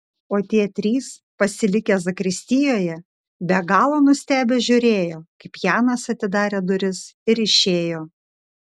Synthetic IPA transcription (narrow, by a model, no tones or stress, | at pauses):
oːt̪ʲiɛt̪ʲɾʲiːspɐsʲɪlʲɪkʲeːzɐkɾʲɪsʲt̪ʲɪjoːjɛ | bʲɛɡɑːlˠoːnʊsʲt̪ʲæːbʲeːʒʲʊɾʲeːjoːkɐɪpjæːnɐsɐt̪ʲɪd̪ɑːɾʲeːd̪ʊɾʲɪsɪɾɪʃʲeːjoː